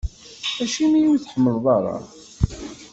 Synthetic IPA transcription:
æʃimijuwθħəmːəlðˤɑɾˤɑ̰

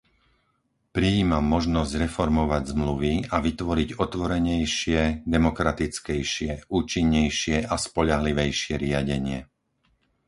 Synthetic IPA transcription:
pɾiiːmamːɔʒnɔzɟɾɛfɔɾmɔʋaɟzmluʋiaʋit̪ʋɔɾiɟɔt̪ʋɔɾɛɲɛjʃɪɛd̪ɛmɔkɾat̪it͡skɛjʃɪɛʔuːt͡ʃiɲːɛjʃɪɛʔaspɔʎaɦliʋɛjʃɪɛɾɪaɟɛɲɪɛ

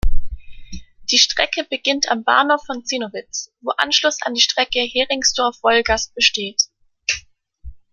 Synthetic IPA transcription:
d̥iːʃtʁ̥ɛkəbəɡɪntʰa̰mba̰ɐnhofːɔnt͡siːnovɪt͡sv̥oːʔa̰nʃlʊsa̰ndiːʃtʁ̥ɛkəheːʁɪŋsd̥ɔɐfv̥ɔlɡast̚b̥əʃteːt

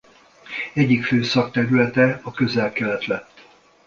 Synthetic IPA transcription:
ɛɟːikføːsɒkt̪ɛɾylɛt̪ɛɒkø̞zɛlkɛlɛt̪lɛt̪ː

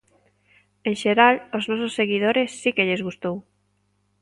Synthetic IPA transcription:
enʃeɾaloznɔsosːeɣiðoɾesːikeʎezɣust̪ow

